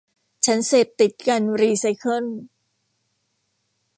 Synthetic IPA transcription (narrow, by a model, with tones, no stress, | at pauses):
t͡ɕʰa˦˥nseː˨˩p̚t̪i˨˩t̪̚ka˧nɾiː˧sa˦jkʰɤ˥˩n